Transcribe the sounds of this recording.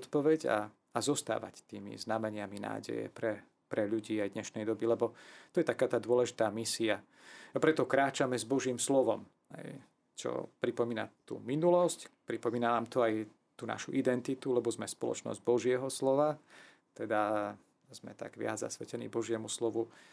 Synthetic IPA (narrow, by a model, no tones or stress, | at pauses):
ɔt̪pɔʋɛɟa̰ | azɔst̪a̰ːʋa̰ct̪iːmḭznamɛɲɪamina̰ːɟɛ̰jɛ̰pɾɛ | pɾɛʎuɟiːajd̪ɲɛʃnɛjd̪ɔbilɛbɔt̪ɔjɛt̪akaːt̪aːd̪ʊɔlɛʒit̪aːmisia | apɾɛt̪ɔkɾaːt͡ʃamɛzbɔʒiːmslɔʋɔm | ɦɛ̰j | t͡ʃɔ̰pɾipɔmiːna̰t̪ṵːminulɔscpɾipɔmiːnanaːmt̪ɔaj | t̪uːna̰ʃuʔid̪ɛnt̪it̪ulɛbɔzmɛspɔlɔ̰t͡ʃnɔ̰zɟbɔʒɪɛɦɔslɔʋa | t̪ɛd̪a | zmɛ̰t̪a̰ɡʋɪa̰d͡zza̰sʋɛcɛnḭːbɔʒɪɛmuslɔʋu